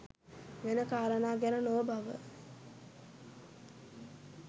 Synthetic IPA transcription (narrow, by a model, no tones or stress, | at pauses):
ʋenəkaːɾənaːɡæɾənoʋəbaʋə̰